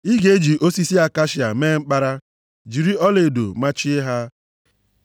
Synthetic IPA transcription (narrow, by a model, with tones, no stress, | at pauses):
i˦ɡe˦e˦d͡ʒi˨ʔo˦si˦si˦a˨ka˦ʃi˨a˨meː˦ŋ͡m̩˦k͡pa˦ɾa˦ | d͡ʒi˨ɾi˦ɔ˦le˨do̰˨ma˦t͡ʃi˦e˦ɦa˦